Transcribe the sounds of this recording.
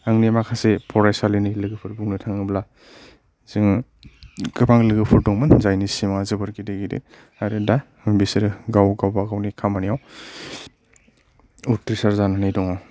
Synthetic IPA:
aŋnimakʰasepʰɔɾajsalinilɯɡɯpʰɯɾbuŋnɯtʰaŋɯbla | z̥ɯŋ | kɯpʰaŋlɯɡɯpʰɯɾdɔŋmɯnzajnisimazɯbɯɾkideɡidḛ | aɾeda | bisiɾɡawɡawbaɡawnikʰamanijaw | utɾisaɾzananajdɔŋaw

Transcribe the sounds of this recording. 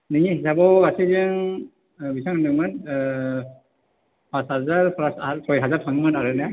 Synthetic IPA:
niɲihisabɔasizɯŋ | bisʰaŋnɯman | pãshazaɹpʰaspʰɔjɦazaɹtʰaŋmanaɹɯna

